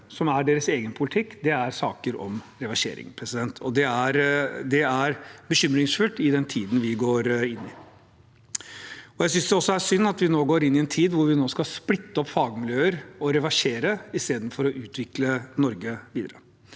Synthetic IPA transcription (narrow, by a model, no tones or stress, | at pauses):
sɔmæɖeːɾəseːɡənpʰʊlɪt̪ʰɪkːd̪ɛæɾsɑːkəɾɔ̰mɾɛʋɑʂḛːɾɪ̰ŋpʰɾɛsɪd̪ɛnt̪ʰɔd̪ɛæɾd̪ɛæɾbəɕʏmɾɪŋsfʉlt̪ɪd̪ɛnt̪ʰiːd̪ən̩ʋɪɡoːɾɪnːɪ | ɔjæɪs̬ʏnsd̪ɛɔsːɔæʂʏnːɑt̪ʋɪnoːɡoːɾɪnːɪɛnt̪ʰiːd̪ʋʊɾʋɪnoːskɑsplɪt̪ːəɔpːfɑːɡəmɪljøːəɾɔɾɛʋɑʂeːɾəɪst̪eːd̪nfɔɾɔʔʉːt̪ʰʋɪklənɔɾɡəʋiːd̪əɾə